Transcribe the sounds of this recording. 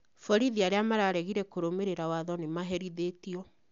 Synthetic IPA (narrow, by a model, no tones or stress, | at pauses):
fɔɾiðiaɾeamaɾaɾɛɣiɾɛkoɾomeɾeɾawaðɔnemaɦɛɾiðetiɔ